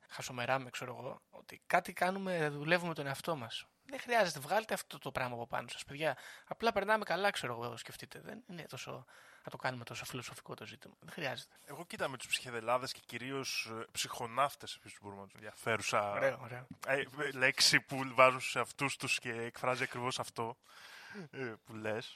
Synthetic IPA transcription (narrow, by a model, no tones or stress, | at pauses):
xɐso̞me̞ɾɐmekseɾo̞ɣo̞o̞̰t̪ikɐt̪ikɐnume̞ðule̞vume̞t̪o̞ne̞ɐft̪o̞mɐs | ðexɾiɐze̞t̪e̞vɣɐlet̪eft̪t̪o̞t̪opɾɐɣmɐːpo̞pɐ̰no̞sɐ̥speðʝɐːplɐpe̞ɾnɐme̞kɐlɐkse̞ɾo̞ɣoosce̞ft̪it̪e̞ðe̞̰nine̞t̪o̞so̞̰θɐt̪o̞kɐnume̞t̪o̞so̞filo̞so̞fi̥ko̞t̪o̞zit̪imɐðexɾiɐze̞t̪e̥e̞ɣo̞cit̪ɐmet̪u̥spsi̥çeðelɐðesceciɾio̞spsixo̞nɐft̪esefisi̥st̪ubo̞ɾimenɐt̪oðiɐfe̞ɾusɐɾeooɾeoele̞ksipuvɐzunst̪u̥seɐft̪ust̪usce̞ːkfɾɐziɐkɾivo̞sɐft̪o̞ | pules